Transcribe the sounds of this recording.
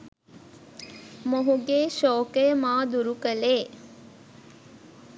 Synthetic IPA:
moɦuɡeːʃoːkemaːd̪uɾukəleː

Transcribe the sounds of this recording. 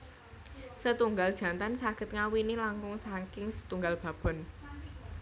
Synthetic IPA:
sət̪uŋɡald̥ʒ̥a̤nt̪ansaɡ̥ə̤t̪̚ŋawinilaŋkʊŋsaŋkɪŋsə̥t̪uŋɡalb̥ä̤b̥ɔ̤n

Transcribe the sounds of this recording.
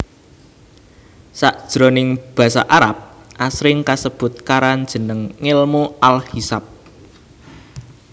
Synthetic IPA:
saʔd̥ʒ̥ɾonɪŋb̥ä̤sa̰ʔaɾap̚ʔasɾɪŋkasəb̥ʊ̤t̪̚kaɾand̥ʒ̥ə̤nəŋːɪlmuʔalhisap̚

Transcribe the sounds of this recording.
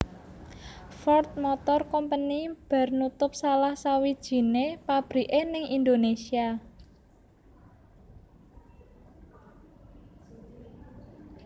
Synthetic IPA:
fɔrt̪̚mɔt̪ɔrkɔmpənib̥a̤rnut̪ʊp̚salahsawid̥ʒ̥i̤nepab̥ɾi̤ʔenɪŋind̪onesia

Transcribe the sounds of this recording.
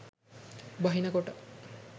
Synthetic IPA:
bɐɦinɐɡoʈɐ

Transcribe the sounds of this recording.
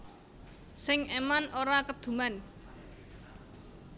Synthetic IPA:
sɪŋemanʔoɾakəd̪̥ṳman

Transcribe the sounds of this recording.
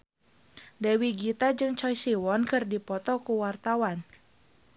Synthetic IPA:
dɛwiɡit̪ad͡ʒɨŋt͡ʃɔjsiwɔnkɨrdipɔt̪ɔkuwart̪awan

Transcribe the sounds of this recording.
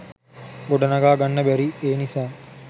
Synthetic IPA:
ɡoɖɐnɐɡaːɡanːəbæɾieːnisaː

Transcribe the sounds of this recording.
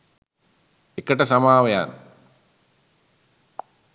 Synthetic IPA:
ekəʈəsamaːʋɐja̰n

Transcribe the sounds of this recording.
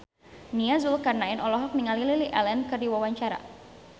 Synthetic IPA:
niazulkarnaɪnɔlɔɦɔk̚niŋalililiʔɛlɛnkɨrdiwawaɲt͡ʃaɾa̰

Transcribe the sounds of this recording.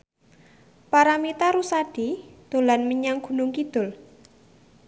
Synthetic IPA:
paɾamit̪aɾusaɖ̥id̪̥o̤lanməɲaŋɡ̥ṳnʊŋkid̪̥ʊ̤l

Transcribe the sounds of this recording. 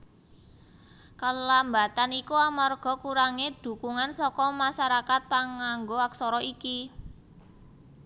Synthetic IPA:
kəlamba̤t̪anikuamarɡ̥ɔ̤kuɾaŋed̪̥ṳkuŋansɔkɔmaʃaɾakat̪̚paŋaŋɡoaksɔɾɔiki

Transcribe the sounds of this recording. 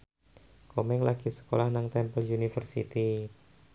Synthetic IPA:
komɛŋlaɡ̥isə̥kolahnaŋt̪ɛmpəljunifərsḭt̪i

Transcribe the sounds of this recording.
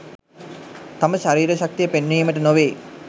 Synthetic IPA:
t̪aməʃaɾiːɾəɕak̚t̪ijəpenːiːməʈənoʋeː

